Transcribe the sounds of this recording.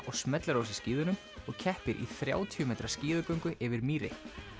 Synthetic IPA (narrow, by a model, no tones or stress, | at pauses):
ɔɣsmɛt̪laɾoːwsɪsciːðʏnʏm | ɔɣcʰɛhpɪɾʔḭθɾja̰ːwt̪ʰiʏmɛːjt̪ɾḁsciːðʏkœɥŋkʏʔɪvɪɾmiːɾɪ̰